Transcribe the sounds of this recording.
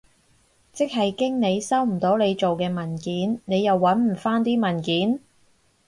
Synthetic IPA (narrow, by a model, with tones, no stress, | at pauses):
t͡sɪ˥k̚ɦɐ˨jkɪ˥ŋne˨˧jsɐ˥wm̩˨˩t̪o˨˥wne˨˧jt͡ʃo˨wkɛː˧mɐ˨˩nkiː˨˥nne˨˧jɐ˨wːɐ˨˥nm̩˨˩faː˥nt̪̬iː˥mɐ˨˩nkiː˨˥n